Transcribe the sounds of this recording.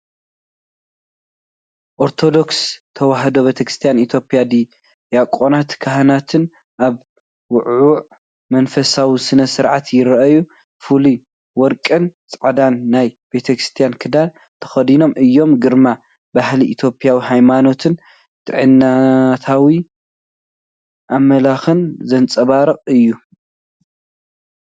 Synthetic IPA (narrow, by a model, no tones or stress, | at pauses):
ʔoɾt̪ʰo̞d̪o̞kst̪ʰɐwaɦd̪o̞be̞t̪ʰɐkɾɨst̪ʰijanit̪ʰjo̞pʼijad̪i | jakʼːonat̪kʰaɦɐnat̪ʰɨn | ʔaβ | wʊʕʊʕ | mɐnfɐsawisɨnɐsɨɾʕat̪jɪɾɐʔɐju | fɨli | wɔɾkʼɨnt͡sʼɐʕd̪anːajbe̞t̪ʰɐkɾɨ̥st̪ʰijankʰɨd̪al | t̪ʰɐ̥xɐd̪ino̞mʔɨjːo̞mɡɨɾma | bahliʔːt̪ʰjo̞pʼijawiɦajmano̞t̪ʰɨn | t̪ʰɨʕɨnːat̪ʰawi | ʔamːɐlaxɨnzɐnt͡sʼɐβaɾɨqʼɨjːu